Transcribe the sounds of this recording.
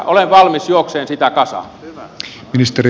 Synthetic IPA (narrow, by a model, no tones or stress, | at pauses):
oleʋʋɑlmisjuokseːnsit̪ækɑsɑ̰m | minist̪eri